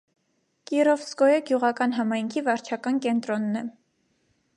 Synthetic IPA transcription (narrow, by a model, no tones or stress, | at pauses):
kiɾɔfsɡɔjəɡjuʁɑkɑnɦɑmɑjŋkʰivɑɾt͡ʃʰɑkɑnkɛnt̪ɾɔnːɛ